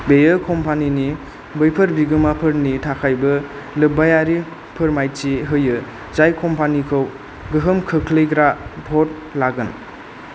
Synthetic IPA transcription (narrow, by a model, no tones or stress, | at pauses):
bejɯkʰɔmpʰanini | bɯjpʰɐɾbiɡɯmapʰɯɾnitʰakʰajbɯ | lɯbajaɾi | pʰɯɾmajt͡ʃiɦɯjɯ | zajkʰɔmpʰanikʰɯw | ɡɯɦɯmkʰɯkʰlɯjɡɾabʱɔt̚ | laɡɯn